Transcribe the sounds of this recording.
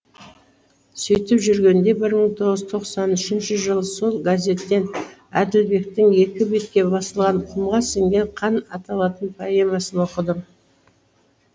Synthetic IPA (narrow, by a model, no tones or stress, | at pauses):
sɵjt̪ɪpʒʏɾɡʲe̞nd̪e̞bɪɾməɴt̪ʰo̞ʁəzət̪ʰo̞qsɑnʏʃɪnʃɪʒəlˠəso̞lˠɡazʲe̞t̪ːe̞næ̰d̪ɪlbe̞k̚t̪ɪŋe̞kʲɪbe̞t̪̚kʲe̞bɑsəlˠʁɑɴqʰəmʁɑseŋɡʲe̞ɴqʰɑnɑt̪ɑlˠɑt̪ənpʰɑjemɑsənwo̞qəd̪ə